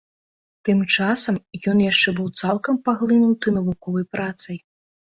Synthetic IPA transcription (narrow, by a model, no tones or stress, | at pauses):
t̪ɨmt͡ʂasɐmjɔnjaʂt͡ʂɛbɨwt̪salˠkɐmpaɣlʲˠɨnut̪ɨnɐvukɔvɐjpɾat̪sɐj